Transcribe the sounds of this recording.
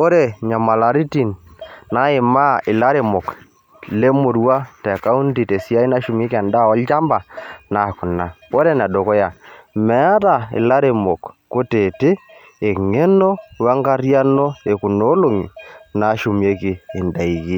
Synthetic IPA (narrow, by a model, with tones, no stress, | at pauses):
o˦ɾe˦˨ɲa˨ma˨la˨ɾi˦ti˨nna˨˦ɪ˨ma˦ɪ˨la˦ɾe˨mo˨k | le˦mo˨ɾwa˦tɛ˨ka˦u˦nti˨te˨si˦a˦i˦na˦ʃu˨me˦ka˨nda˦˨ɔ˦lt͡ʃa˦mba˨na˨kʊ˨na˨o˦ɾe˦na˨do˨kɔ˦ja˨mɛ˨˦a˦ta˨ɪ̰˨la˦ɾe˨mo˨kː | o˦te˨tɪː˦˨ | ŋe˦nɔ˦wa˦ŋɡa˦ɾja˦nɔ˦e˨ku˨no˦lo˦ŋḭ˨na˨˦ʃu˨m˨e˦kɪː˨nda˨i˨ɣi˦